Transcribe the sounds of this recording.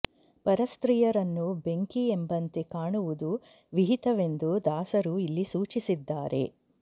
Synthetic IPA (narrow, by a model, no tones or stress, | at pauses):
pɐɾɐst̪ɾijɐɾɐnːube̞ŋkiembɐnt̪e̞kaːɳuʋud̪u | ʋiɦit̪ɐʋe̞nd̪ud̪aːsɐɾuilːisuːt͡ʃisid̪ːaːɾe̞̰